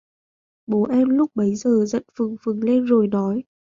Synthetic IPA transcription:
ɓo˨˦ʔɛ˧mlʊ˦˥k͡p̚ɓə˨˦jzəː˨˩zə̰˧˨nfɨ˨˩əŋfɨ˨˩əŋle˧nzo˨˩jnɔ˨˦j

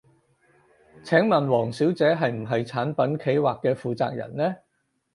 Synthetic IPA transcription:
t͡sʰɛː˨˥ŋmɐ˨nwɔː˨˩ŋsiː˨˥wt͡sɛː˨˥ɦɐ˨jm̩˨˩ɦɐ˨jt͡sʰaː˨˥npɐ˨˥nkʰe˨˥jwaː˨kːɛː˧fuː˨t͡sa̰ː˧k̚jɐ̰˨˩nlɛː˥

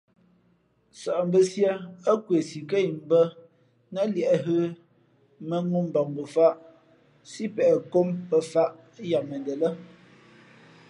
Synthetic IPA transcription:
sɔ˨ʔmbə˦sja˦ə˦kwe˨si˨ke˦˨jm̩˦bə˦ | na˦ljɛ˨ʔɦə˦ | mə˦ŋu˦m̩˦bɔ˨ŋbə˨fa˦ʔ | si˦pɛ˨ko˦mpə˨fa˦ʔ | ja˨mə˨ndə˨lə˦

